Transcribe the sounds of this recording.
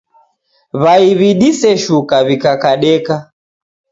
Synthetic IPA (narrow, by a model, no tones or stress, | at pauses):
βaiβiɗisɛʃukaβikakaɗɛka